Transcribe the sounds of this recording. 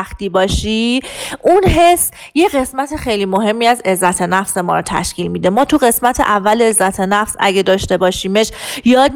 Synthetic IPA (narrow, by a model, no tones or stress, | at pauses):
xt̪iːbɒːʃiʔunɦe̞sːjeɣe̞smæt̪ʰe̞xe̞jliːmoɦe̞mːiːæze̞zːæt̪ʰe̞næfse̞mɒ̰ːɾot̪ʰæ̰ʃciːlmiːd̪emɒːt̪ʰuɣe̞smæt̪ʰe̞̰ʔævːælezːæt̪ʰe̞næfsæ̰ɟed̪ɒːʃt̪ebɒːʃiːmeʃjɒːd̪̚